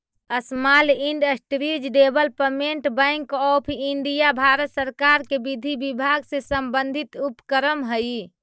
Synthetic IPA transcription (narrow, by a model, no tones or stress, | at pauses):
əsmaliɳɖəsʈɾid͡ʒɖebəlpəmeɳʈbə̃jŋkɔpʰiɳɖijabʱaɾət̪səɾkaɾkebid̪ʱibibʱaɡsẽsəmbənd̪ʱit̪upkəɾəmɦəj